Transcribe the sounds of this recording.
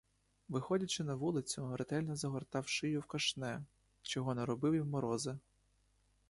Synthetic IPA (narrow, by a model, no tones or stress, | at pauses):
ʋɪxɔdʲɐt͡ʃɪnɐʋulˠɪt͡sʲʊɾet̪ɛlʲnɔzɐɦɔrt̪ɑwʃɪjʊwkɐʃnɛ | t͡ʃɔɦɔnɛɾɔbɪwjiwmɔɾɔzɪ